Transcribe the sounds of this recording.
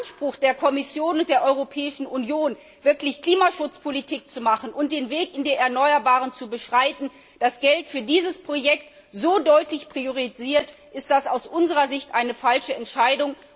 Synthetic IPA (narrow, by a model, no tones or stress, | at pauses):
nʃpʁ̥ʊxd̥eːɐkʰɔmɪsjoːnʊnt̚d̥eːɐʔɔʏʁopʰɛːɪʃn̩unjoːn | vɪɐklɪçkl̥iːmaʃʊt͡spʰolitʰiːk̚t͡sumaχn̩ʔʊnt̚d̥eːnveːkɪndeːɛɐnɔʏɐbaːʁənt͡subəʃʁ̥aɪtn̩ | d̥asɡ̥ɛltfyːɐdiːzəspʁ̥ojɛkt | z̥oːdɔʏtlɪçpʁ̥ioʁ̞iziːɐtʔɪst̚d̥asaʊsʔʊnzəʁɐzɪçtʔaɪnəfalʃəɛntʃaɪdʊŋ